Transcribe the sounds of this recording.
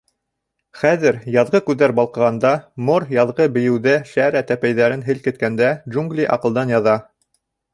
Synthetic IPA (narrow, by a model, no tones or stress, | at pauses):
χæðɘɾjɑðʁɤkʉðːæɾbɑlˠqɤ̆ʁɑnd̪ɑmoɾjɑðʁɤbɘ̆jɘ̆wðæʃæɾæt̪æpæjðæɾɘnɦɘlkɘ̆t̪̚kænd̪ædʒuŋɡlʲiʔɑ̰qɤ̆lˠd̪ɑnjɑðɑ